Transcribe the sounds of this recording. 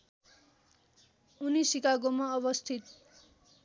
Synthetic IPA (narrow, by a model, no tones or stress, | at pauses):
unisikaɡomaʌβʌst̪ʰit̪